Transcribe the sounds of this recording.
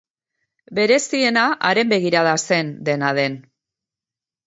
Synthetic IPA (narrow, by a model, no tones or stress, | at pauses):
be̞ɾe̞sie̞naʔaɾe̞mbe̞ɣ̞iɾaðase̞nd̪e̞nað̞e̞n